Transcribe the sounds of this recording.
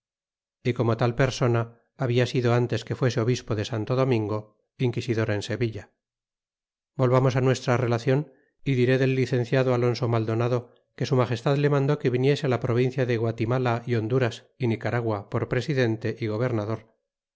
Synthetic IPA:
iko̞mo̞t̪alpe̞ɾso̞naː | βiasiðo̞ant̪e̞ske̞fwe̞seo̞βispo̞ðe̞sant̪oðo̞mĩŋɡo̞ | iŋkisiðo̞ɾaense̞βiʎa | bo̞lβamo̞sanwe̞st̪ɾare̞laθjo̞n | iðiɾe̞ðe̞lːiθẽ̞n̟θjaðoalo̞nso̞mald̪o̞naðo̞ | ke̞sumaχe̞st̪aðle̞mãnd̪o̞ke̞βinje̞sealapɾo̞β̞in̟θjaðeɣwat̪imalaio̞nd̪uɾas | inikaɾaɣwapoɾpɾe̞siðe̞nt̪e̞ʔiɣoβ̞e̞ɾnaðo̞ɾ

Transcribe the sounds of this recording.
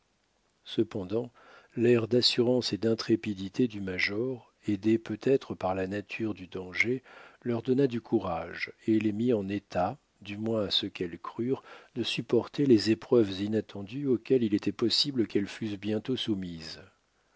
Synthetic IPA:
səpɑ̃d̪ɑ̃ | lɛʁd̪asyʁɑ̃sed̪ɛ̃t̪χepid̪it̪ed̪ymaʒɔʁ | ed̪epøt̪ɛt̪χəpaʁlanat̪ʰyʁd̪yd̪ɑ̃ʒelœʁd̪ɔnad̪ykʰuʁaʒelemiɑ̃net̪ʰa | d̪ymwɛ̃asəkɛlkχyʁd̪əsypɔʁt̪elezepχœvzinat̪ʰɑ̃d̪yokʲɛlilet̪ɛpɔsibləkɛlfysbjɛ̃t̪osumiz

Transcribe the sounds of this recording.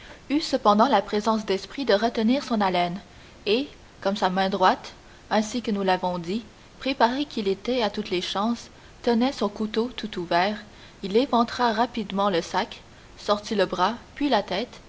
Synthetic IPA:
ysəpɑ̃d̪ɑ̃lapχezɑ̃s̬d̪ɛspχid̪əʁət̪əniːʁsɔ̃nalɛn | e | kɔmsamɛ̃d̪ʁwat̪ | ɛ̃sikənulavɔ̃d̪i | pχepaʁekʲilet̪ɛat̪ut̪leʃɑ̃ːs | t̪ənɛsɔ̃kut̪ot̪ut̪uvɛːʁ | ilevɑ̃t̪χaʁapid̪mɑ̃ləsak | sɔʁt̪iləbʁapɥilat̪ɛːt̪

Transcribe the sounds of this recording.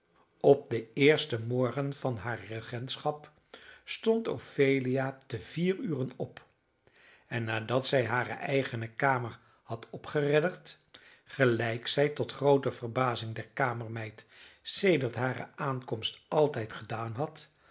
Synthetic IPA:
ɔp̚dəɪːɹstəmɔɹχənv̥ɑnɦaːrəχɛntsχɑp | stɔnto̰fejliatəviːryːrənɔp | ɛnːaːdɑtsɛjɦaːrə̰ʔɛjχənəkaːməɹ | hɑtɔpχərɛdəɹt | χəlɛjksɛjtɔtχrowtəv̥əɹbaːzɪŋdɛɹkaːməɹmɛjtsejdəɹtɦaːɾə̰aːnkɔmstʔɑlˠtɛjtχədaːnɦɑt

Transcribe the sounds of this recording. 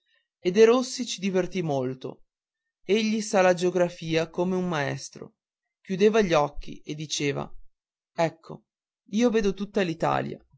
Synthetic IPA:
ed̪eɾosːit͡ʃid̪ivert̪imolt̪o̰ | eʎːisalad͡ʒeoɡɾafiːakomeumːaɛ̰st̪ɾo̰ | k̟jud̪eːvaʎːɔkʰːḭʔed̪ːit͡ʃeːva̰ | ɛkʰːo̰ | iːoveːd̪ot̪ut̪ːalit̪a̰ːlja̰

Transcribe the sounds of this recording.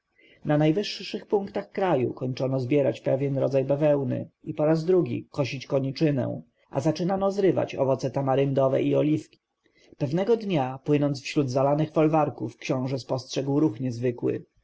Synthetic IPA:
nanajvɘʂːɘxpuŋkt̪axkɾajṵkɔɲt͡ʂɔnɔzbʲjɛɾat͡ɕpɛvʲjɛnɾɔd̪zajbɛvɛwnɘ̰ipɔɾazd̪ɾuɡʲḭkɔɕit͡ɕkɔɲit͡ʂɘnɛ̰w̃ | ʔa̰zat͡ʂɘnanɔzɾɘva̰t͡ɕɔvɔt̪sɛt̪amaɾɘnd̪ɔvɛ̰ʔiɔlʲifkʲi̥ | pɛvnɛɡɔd̪ɲapwɘnɔnt̪sfɕɾud̪zalanɘxfɔlvaɾkufkɕɔ̃w̃ʐɛspɔstʂɛɡwɾuxɲɛzvɘkwɘ̰

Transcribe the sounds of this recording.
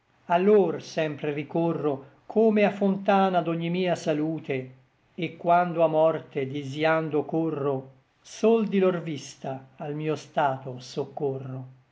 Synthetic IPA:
alːoːrsɛmpɾerikorːo | kʰoːmeafːont̪aːnad̪oɲːimiːasaluːt̪eː | kːwand̪oamːɔrt̪ed̪iziand̪okorːo | sold̪ilorvist̪aːlmiːost̪aːt̪osokːorːo

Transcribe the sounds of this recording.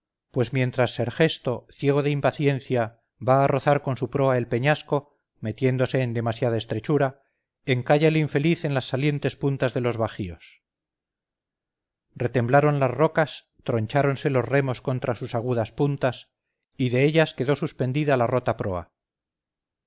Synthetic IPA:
pwe̞zmje̞nt̪ɾasːe̞ɾxe̞st̪o̞θje̞ɣ̞o̞ðeimpaθje̞nθja | βaːro̞θaɾko̞nsupɾo̞ae̞lpe̞ɲasko̞ | me̞t̪je̞nd̪o̞se̞ːnd̪e̞masjaðaest̪ɾe̞t͡ʃuɾa | eŋkaʝaeliɱfe̞liθe̞nlasːalje̞nt̪e̞spunt̪azðe̞lo̞zβaxio̞s | re̞t̪emblaɾonlazro̞kas | t̪ɾo̞ɲt͡ʃaɾo̞nse̞lo̞zremo̞sko̞nt̪ɾasusaɣ̞uðaspunt̪as | iðe̞eʎaske̞ðo̞suspe̞nd̪iðalaro̞t̪apɾo̞a̰

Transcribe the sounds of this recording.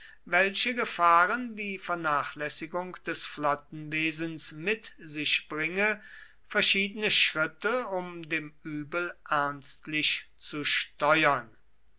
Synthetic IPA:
vɛlɕəɡəfaːʁəndiːfɛɐnaːχlɛsɪɡʊŋkd̥ɛsflɔt̚n̩veːzn̩smɪtzɪʃb̥ʁɪŋə | fɛɐʃiːdənəʃʁ̥ɪtəʊmdeːmyːbəlʔæɐnstlɪʃ | t͡suʃtɔʏɐn

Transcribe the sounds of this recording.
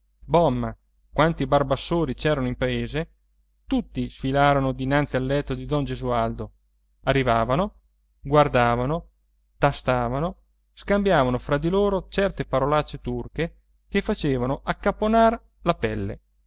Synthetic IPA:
bɔmːa | kwant̪ibarbasːoːɾit͡ʃɛːɾanoimpaeːze | t̪ut̪ːisfilaːɾonod̪inant̪sialːɛt̪ːod̪id̪ɔnd͡ʒezuald̪o | arːivaːvano | ɡward̪aːvano | t̪ast̪aːvano | skambjaːvanofɾad̪iloːɾot͡ʃɛrt̪epaɾolat͡ʃːet̪urke | kefat͡ʃeːvanoʔakːapːonar | lapɛlːḛ

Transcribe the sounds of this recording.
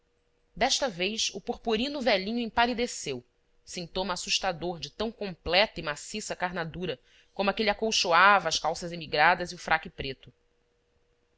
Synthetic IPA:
d̪ɛʃt̪ɐvejsʊpuχpuɾĩnʊvɛlĩɲʊẽpalid̪esew | sĩnt̪õmɐːsuʃt̪ad̪oɾd͡ʒɪt̪ɐ̃w̃kõmplɛt̪ɐimasisɐkaɾnad̪uɾɐ | kõmʊɐkeliakowʃoavɐːskawsɐzemiɡɾad̪ɐziʊfɾʔakɪpɾet̪ʊ

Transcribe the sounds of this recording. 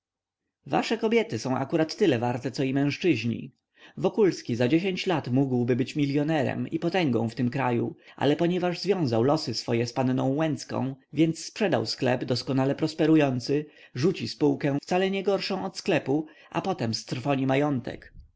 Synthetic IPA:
va̰ʂɛkɔbʲjɛt̪ɘsɔ̃w̃ʔa̰kuɾat̪ːɘlɛvaɾt̪ɛt̪sɔimɛ̃ʂt͡ʂɘʑɲḭ | vɔkulskʲizad͡ʑeɕeɲt͡ɕlat̪muɡwbɘbɘt͡ɕmʲiljɔnɛɾɛ̰mipɔt̪ɛŋɡɔ̰̃w̃ft̪ɘmkɾajuʔa̰lɛpɔɲɛvaʐzvʲjɔ̃w̃zawlɔsɘsfɔjɛspannɔ̃w̃wɛnt̪skɔ̰̃w̃vʲjɛnt̪sːpʂɛd̪a̰wsklɛ̰bd̪ɔskɔnalɛpɾɔspɛɾujɔnt̪sɘʐut͡ɕispuwkɛ̃ft̪salɛɲɛɡɔɾʂɔ̃w̃ɔt̪sklɛpu | ʔa̰pɔt̪ɛmst̪ɾfɔɲimajɔnt̪ɛ̰k

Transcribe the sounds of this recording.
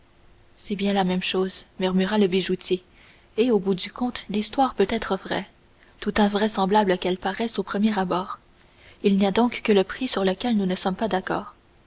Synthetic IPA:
sɛbjɛ̃lamɛmʃoːzmyʁmyʁaləbiʒut̪ʰʲje | eobud̪ykʰɔ̃t̪list̪waːʁpøt̪ɛːt̪χəvʁɛ | t̪ut̪ɛ̃vʁɛsɑ̃blabləkɛlpaʁɛsopχəmjeʁabɔːʁ | ilniad̪ɔ̃kːələpχisyʁləkʲɛlnunəsɔmpad̪akɔ̰ːʁ

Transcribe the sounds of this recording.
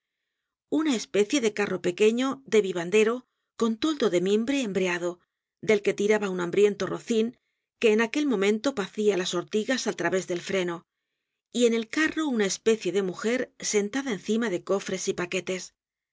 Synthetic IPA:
unaespe̞θje̞ðe̞karo̞pe̞ke̞ɲo̞ðe̞βiβand̪e̞ɾo̞ | ko̞nt̪o̞ld̪oðe̞membɾeːmbɾeaðo̞ | d̪e̞lke̞t̪iɾaβaunãmbɾjent̪oroθiŋ | ke̞ːnake̞lmõ̞mẽnt̪o̞paθialaso̞ɾt̪iɣasalt̪ɾaβe̞zðe̞lfɾe̞no̞ | ie̞ne̞lkaro̞unaespe̞θje̞ðe̞muxe̞ɾse̞nt̪aðaen̟θimaðe̞ko̞fɾe̞sipake̞t̪e̞s

